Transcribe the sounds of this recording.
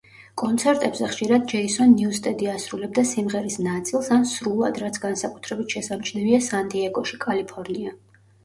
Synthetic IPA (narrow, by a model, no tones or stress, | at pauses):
kʼɔnt̪sʰɛɾt̪ʼɛbzɛχʃiɾad̪̚d͡ʒɛisɔnːiust̪ʼɛd̪iasɾulɛb̚d̪asimʁɛɾisnat̪sʼilˠsansɾulˠad̪ɾat̪sʰɡansakʼu̥t̪ʰɾɛbit̪ʰʃɛsamt͡ʃʰnɛviasant̪ʼiɛɡɔʃikʼalipʰɔɾnia